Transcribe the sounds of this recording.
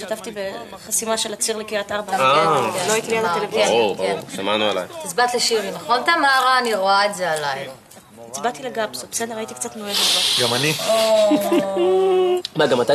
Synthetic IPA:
ʃat̪aft̪ibe | χasimaʃelat͡siʁlekiat̪aʁbaaloait̪ilialatelevieaʁuʁbaʁuʁʃamanuela̰jt̪isbat̪leʃiʁinaχo̞nt̪amaʁaːniʁo̞aetze̞alaj | it͡sbat̪ileɡabsobsendeʁait̪ikt͡sat̪noeɡeaɡamani | maɡamat̪a

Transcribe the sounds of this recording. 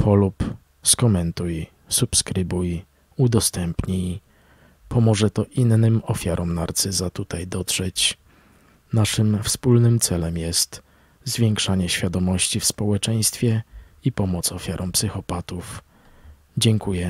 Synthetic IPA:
pʰɔlup | skɔmɛnt̪uj | supskɾɘbuj | ud̪ɔst̪ɛmpɲi | pʰɔmɔʐɛt̪ɔʔinːɘmɔfʲjaɾʔɔmnaɾt̪sɘzat̪ut̪ajd̪ɔt̪ʂɛt͡ɕ | naʂɘmfspulnɘmt̪sɛlɛmjɛst̪ | zvʲjɛŋkʂaɲɛɕfʲjad̪ɔmɔɕt͡ɕifspɔwɛt͡ʂɛj̃st̪fʲjɛ | ipɔmɔt̪sɔfʲjaɾʔɔmpsɘxɔpat̪uf | d͡ʑɛŋkujɛ

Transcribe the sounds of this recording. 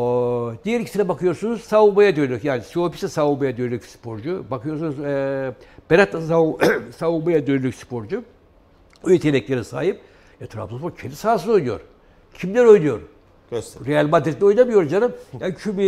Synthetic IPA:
d̪ijɛɾicʰi̥sinɛbakʰɯjoɾsunuz̥savumajad̪ønylʲykjaːnispi̥sɛsavumajad̪ønylʲykspʰo̞ɾd͡ʒubakʰɯjoɾsunuz | b̥eɾat̪ːasasaumajad̪ønylʲycspʰo̞ɾd͡ʒu | ojet̪ʰelʲɛclʲeɾisa̰ːjɯp̚ | at̪ʰɾa̰mt̪uspoɾcʰend̪isaːsɯzo̞jnujoɾ | cʰimlʲæɾo̞jnujo̞ɾ | ɾejalʲmad̪ɾit̪ʰinʲo̞jnamɯjo̞ɾd͡ʒanɯmjaːncʰymi

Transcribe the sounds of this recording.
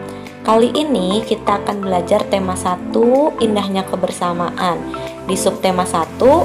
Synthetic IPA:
kaliʔinikit̪aːkanbəlad͡ʒart̪emasat̪uindahɲakəbərsamaʔan | disʊp̚t̪emasat̪u

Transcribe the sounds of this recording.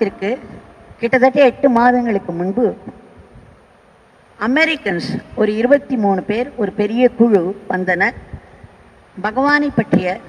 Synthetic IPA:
t̪ːɪrkɯkɪʈːɐðɐʈːɐɛʈːɯmaːðɐŋɡɐɭɯkːɯmʊɳbɯ | ɐmɛɾɪkːɐnsɔɾɯɪɾɯbɐt̪ːimuːɳɯpeːɾɔɾɯpɛɾɪjɐkʊɻuʋɐnd̪ɐnɐ | bɐɣɐʋaːnɐɪpːɐʈrɪjɐ

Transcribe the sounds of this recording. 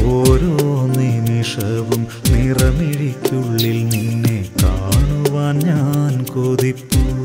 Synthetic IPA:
oɾonːiniʂɐʋum | niːrɐmiɻikʲːuɭːilninːekaːɳuʋaːnɲaːnkoːðipːu

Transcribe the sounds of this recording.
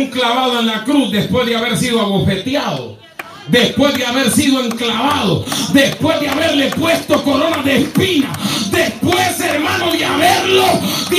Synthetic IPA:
ŋklaβaðoe̞nlakɾusd̪e̞spwe̞zðeaβe̞ɾsiðoaβofe̞t̪jaðo̰ | ðe̞spwe̞zðeaβe̞ɾsiðoe̞ŋklaβaðoðe̞spwe̞zðeaβe̞ɾle̞pwe̞st̪o̞ko̞ɾo̞naðespina̰ðe̞spweseɾmanoðeaβeɾloð

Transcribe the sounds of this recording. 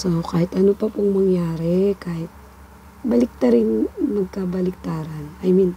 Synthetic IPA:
sokaːhɪt̪ʔɐnopɐpʊŋmɐŋjaːɾɛkaːhɪt̪̚ | bɐlɪk̚t̪ɐɾɪnmɐɡ̚kabɐlɪk̚t̪aːɾɐnʔɐjmin

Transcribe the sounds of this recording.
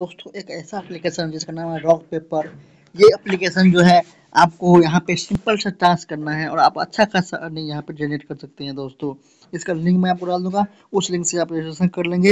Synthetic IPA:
d̪̥oːst̪õʔeːkɛːsaɛplikeːʃənd͡ʒɪskanaːmɦɛɾɔːɡpeːpəɾ | jeɐplɪkeːʃənd͡ʒoːɦɛ | aːp̚kojɐɦãpesɪ̃mpəlsɐʈãːskɐɾnaɦɛɔ̰ːɾaːpɐ̰tːʃʰakaːsaʔɐnĩjɐɦãped͡ʒɛːneːʈkɐɾsɐk̚t̪eɦɛ̃d̪oːst̪õː | ɪskallɪ̃ŋɡmɛ̃aːp̚koɾaːld̪ũːɡa | ʊslɪ̃ŋkseaːpeʃəsə̃nkɐɾlẽːŋɡeː

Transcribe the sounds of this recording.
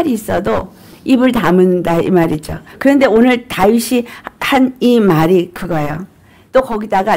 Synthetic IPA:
ɾiːs͈ʌdo | ibɯɭtamɯndaḭmaɾid͡ʑo̰kɯɾʌnde̞onɯɭtaiɕʰihanimaɾikɯɡʌjo | t͈okʌɡidaɡa

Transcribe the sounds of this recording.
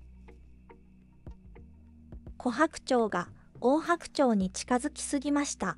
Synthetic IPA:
kʰo̞ɦakɯ̟̥t͡ɕo̞ːɡa | oːɦakɯ̟̥t͡ɕo̞ːɲ̟it͡ɕi̥kazɨkʲi̥sɨɡʲimaɕi̥t̪a

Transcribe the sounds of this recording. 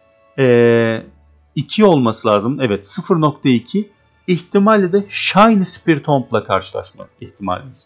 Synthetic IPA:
ɛː | icʰio̞lˠmasɯlˠaːzɯmɛvɛt̪sɯfɯɾno̞kt̪ʰaicʰi | içt̪ʰimalʲːɛd̪ɛʃajnɯsi̥piɾt̪ʰomplˠakʰaɾʃɯlˠa̰ʃma̰iht̪ʰima̰lʲimiz̥

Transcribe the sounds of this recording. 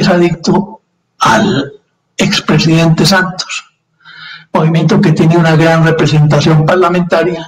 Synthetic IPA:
saðik̚t̪o | al | ekspɾesiðe̞nt̪e̞sant̪o̥s | mo̞βimje̞nt̪oke̞t̪jeneunaɣɾanrepɾese̞nt̪asjo̞mpaɾlamẽnt̪aɾja

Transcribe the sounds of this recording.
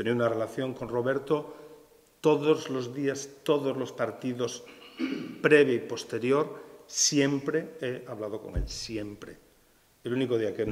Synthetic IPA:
t̪eniunarelaθjo̞ŋko̞nroβeɾt̪o | t̪oðozlo̞zðiast̪oðozlo̞spaɾt̪iðo̞s | pɾeβ̞jaipo̞st̪e̞ɾjo̞ɾsjempɾeeaβlað̞oko̞̰ŋḛlsjempɾḛ | elunikoðiaken

